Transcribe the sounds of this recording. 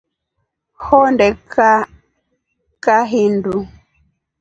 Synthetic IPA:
hɔndɛka | kaɦindu

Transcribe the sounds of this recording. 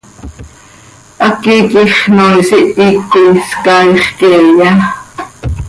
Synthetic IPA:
ʔɑkikiχnoisiʔikːiskɑjχkijɑ

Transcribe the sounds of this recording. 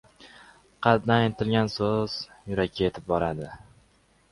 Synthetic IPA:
qʰɑt̪naɪnt̪ʰɪlɡʲansoz̥jʊɾakʲʰːaje̞t̪ʰɪ̥p̚bɒɾad̪ɪ

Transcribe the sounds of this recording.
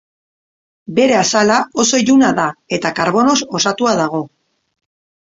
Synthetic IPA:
be̞ɾe̞asalao̞so̞iʎunaðae̞t̪akaɾβo̞no̞so̞sat̪uað̞aɣ̞o̞

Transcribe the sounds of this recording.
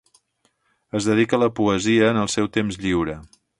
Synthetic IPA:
əzðəð̞ikələpuəziəːnəlˠsɛwt̪emzʎiwɾə

